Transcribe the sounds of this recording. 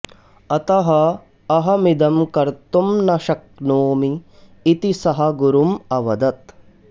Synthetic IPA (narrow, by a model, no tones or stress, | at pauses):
ɐt̪ɐɦɐː | ɦɐmid̪ɐmkɐɾt̪umnɐʃɐk̚noːmiː | t̪isɐɦɐ̆ɡuɾumɐʋɐd̪ɐt̪